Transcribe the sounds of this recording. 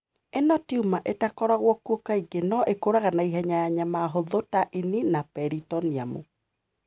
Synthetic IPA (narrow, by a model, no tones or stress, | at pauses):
enɔtiumaʔetakɔɾaɣwɔkuokaiɡenɔʔekoɾaɣanaiɦɛɲajaɲamaːɦoðotaʔininapɛɾitɔniamṵ